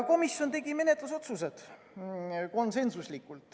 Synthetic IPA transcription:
ko̞misjo̞nt̪e̞ɡime̞ne̞t̪luso̞t̪sus̬e̞d̪̥ | ko̞nse̞nsuslikːˑult̪ˑ

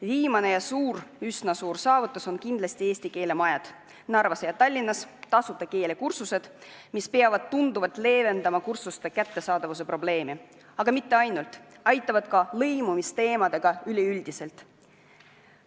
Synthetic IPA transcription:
viːmɑne̞jɑsuːrysnɑsuːrsɑːvut̪ːˑuso̞nkind̪lɑst̪ieːsʲt̪ike̞ːle̞mɑjɑd̪̥ | nɑrvɑsejɑt̪ɑlʲːinːɑst̪ɑsut̪ːˑɑke̞ːle̞kursuse̞d̪̥mispe̞ɑvɑd̪̥̚t̪und̪uvɑlt̪ˑle̞ːve̞nd̪ɑmɑkursust̪e̞kæt̪ːe̞sɑːd̪̥ɑvus̬e̞pro̞ble̞ːmi | ɑɡ̥ɑmit̪ˑːe̞ɑjnult̪ˑɑjt̪ːˑɑvɑd̪̥kɑlɤjmumist̪e̞ːmɑd̪̥e̞ɡ̥ɑylʲiylʲd̪̥ise̞lt̪ˑ

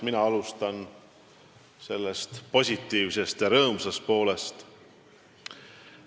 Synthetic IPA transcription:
minɑɑlust̪ɑn | se̞lːe̞st̪po̞sʲit̪ˑːiːvse̞st̪jɑɾɤːmsɑst̪̚po̞ːle̞st̪

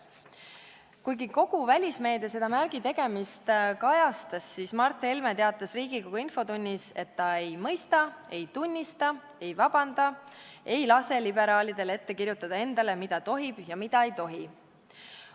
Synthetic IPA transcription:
kujɡiko̞ɡ̥uvælʲisme̞ːd̪̥e̞se̞d̪̥ɑmærɡ̥it̪e̞ɡ̥e̞mist̪kɑjɑst̪ɑsːiːsmɑrt̪ːˑe̞lme̞t̪eɑt̪ˑːɑsriːɡikoɡ̥ɑinfo̞t̪unʲːise̞t̪ːɑe̞jmɤjst̪ɑe̞jt̪unʲːist̪ɑ | e̞jvɑb̥ɑnd̪̥ɑ | e̞jlɑse̞libe̞ɾɑːlid̪e̞le̞t̪ːe̞kirjut̪ːˑɑd̪̥ɑe̞nd̪̥ɑle̞mid̪̥ɑt̪o̞ɦib̥jɑmid̪̥ɑe̞jt̪o̞ɦi

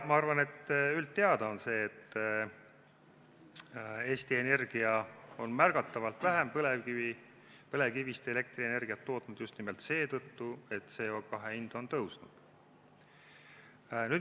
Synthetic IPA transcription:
mɑɑrvɑne̞t̪ːylt̪ːe̞ɑd̪̥ɑonse̞ːt̪ː | e̞ːst̪ie̞ne̞rɡ̥iɑo̞nmærɡ̥ɑt̪ːˑɑvɑlt̪ˑvæɦempɤleii | pɤle̞kivist̪eele̞kt̪riene̞rɡ̥iɑt̪ːo̞ːt̪nud̪̥just̪nimelt̪se̞ːt̪ɤt̪ːue̞t̪ːse̞ːo̞kɑɦeind̪̥o̞nt̪ɤwsnud̪̥ | nyd̪

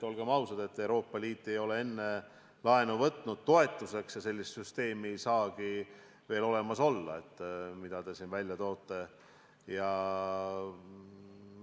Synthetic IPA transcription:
o̞lɡ̥emɑwsɑd̪̥e̞t̪ːe̞wɾo̞ːpˑːɑliːt̪ːˑe̞jo̞le̞e̞nːe̞ | lɑenuvɤt̪nud̪̥̚t̪o̞e̞t̪ːˑuse̞ksjɑse̞lʲːist̪syst̪e̞ːmiejsɑːɡi | ve̞ːlo̞le̞mɑso̞lːɑ̰e̞t̪ːmid̪̥ɑd̪e̞sinvælʲjɑt̪o̞ːt̪ːe̞ | jɑ

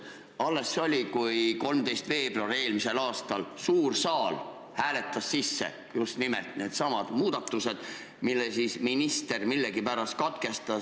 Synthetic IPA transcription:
ɑlːe̞sːo̞lʲikujko̞lmd̪e̞jst̪ve̞ːb̥roɑɾie̞ːlmise̞lɑːst̪ɑlsuːrsɑːl | hæːle̞t̪ːˑɑsːisːḛ | just̪nimḛlt̪ˑne̞ːd̪̥sɑmɑd̪̥muːd̪̥ɑt̪ːuse̞d̪̥ | milːesisminist̪e̞rmilːeɡipæɾɑs̚kɑt̪ke̞st̪ɑ

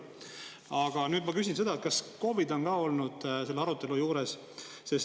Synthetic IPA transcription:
ɑɡ̥ɑnyːd̪̚mɑkys̬ʲinse̞d̪ɑet̪̚kɑsko̞vid̪o̞nɡɑːo̞lnud̪̥se̞lːeɑɾut̪ːˑe̞lujuːɾe̞s | se̞s

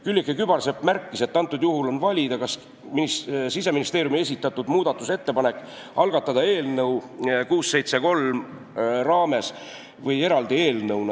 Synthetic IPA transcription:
kylʲːikːˑekybɑlse̞pːmærkːise̞t̪ːɑnt̪ːˑud̪juɦulo̞nvɑlʲid̪ɑkɑs | minisise̞minist̪e̞ːɾjumie̞sʲit̪ːˑɑt̪ːˑud̪muːd̪̥ɑt̪ːˑuse̞t̪ːe̞pɑne̞kːˑ | ɑlɡ̥ɑt̪ːˑɑd̪ɑe̞ːlnɤwkuːsːe̞jt̪se̞ko̞lm | rɑːme̞s | vɤje̞ɾɑld̪ie̞ːlnɤwnɑ

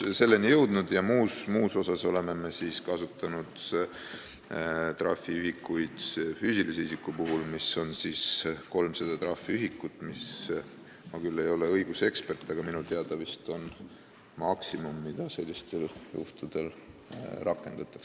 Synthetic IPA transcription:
se̞lːenijɤwd̪̥nud̪̥jɑmuːsmuːso̞sɑso̞le̞me̞me̞siːskɑsut̪ːˑɑnud̪̥ | t̪rɑ̰fːiyɦikːujd̪̥fyːsiliseisikːˑupuɦulmiso̞nsiːsko̞lmsed̪̥ɑt̪rɑfːiyɦikːˑut̪ːˑmis | mɑkylːe̞jo̞le̞ɤjɡ̥use̞kspe̞rt̪ːˑɑɡ̥ɑminut̪eɑd̪ɑvist̪o̞n | mɑksimumːid̪̥ɑse̞lʲːist̪e̞ljṵht̪ud̪̥e̞l | rʔɑkːˑe̞nd̪̥ɑt̪ːˑɑ̥ks

